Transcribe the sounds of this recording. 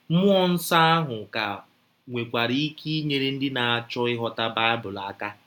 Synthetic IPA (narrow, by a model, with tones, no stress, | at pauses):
mʊ˦ɔ˦n̩˦sa˦a˦ɦʊ˨ka˨ | ŋʷe˨kʷa˨ɾi˦kʰi˦ɲe˨ɾe˦n̩˦dɪ˦na˨a˨t͡ʃɔ˦ɪ˦ɦɔ˦ta˦ba˦a˦bʊ˨la˨a˦ka˦